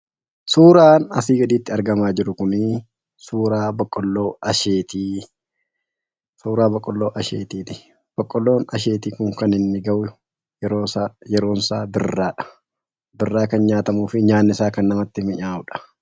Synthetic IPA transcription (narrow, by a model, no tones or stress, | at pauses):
suːɾaːnɐsiːɡɐd̪iːt̪ːɪɐɾɡɐmaːd͡ʒɪɾʊkʊnɪ | suːɾaːbɐkʼːɔlːo̞ːɐʃeːt̪iː | suːɾaːbɐkʼːɔlːoːʔɐʃḛːt̪iːt̪ɪ̥ | b̥ɐkʼːɔlːo̞ːnɐʃeːt̪iːkʊŋkɐnɪnːɪɡɐʔʊʊ | ɾojɛɾo̞ːnsaːbɪrːaːᶑɐ̥ | bɪrːaːkɐnɲaːt̪ɐmuːfɪɲaːnːɪsaːkɐnːɐmɐt̪ːɪmɪɲaːʊᶑɐ̥